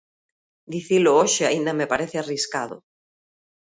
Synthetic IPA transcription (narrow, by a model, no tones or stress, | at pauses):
d̪iθilooʃeaind̪amepaɾeθeariskaðʊ̰